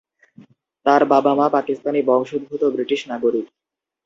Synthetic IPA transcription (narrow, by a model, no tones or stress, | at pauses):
t̪aɾbabamapakist̪anibɔŋʃod̪̚bʱut̪obɾiʈiʃnaɡoɾik